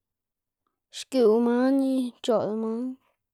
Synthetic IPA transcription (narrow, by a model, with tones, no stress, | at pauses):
ʃku˨u˧mã˦nĩ˦t͡ʃo˨ʔðmã˦